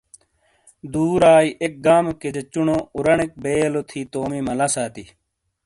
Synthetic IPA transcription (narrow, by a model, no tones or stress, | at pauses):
d̪uːɾaːiʔek̚ɡaːmked͡ʑɐt͡ɕːuɳouɾɐɳek̚beːlot̪ʰiːt̪oːmimɐlɐsaːt̪i